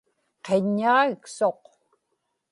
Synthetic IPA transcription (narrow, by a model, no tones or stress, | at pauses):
qeɲːaːiksoq